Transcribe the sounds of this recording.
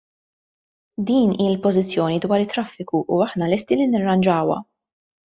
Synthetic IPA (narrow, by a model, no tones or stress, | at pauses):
d̪iːniːɪlpɔzɪt͡sːjɔːnid̪wɐːɾɪt̪ːɾɐfːɪkuʔuɐħnɐlɛst̪ilinɪrːɐnd͡ʒɐːwɐ̰